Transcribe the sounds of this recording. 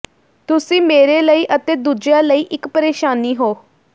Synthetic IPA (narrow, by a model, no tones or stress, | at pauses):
t̪ʊsĩːmeːɾeːləiːʔət̪eːd̪uːd͡ʒjaːləiːʔɪkpəɾeːʃaːniːɦoː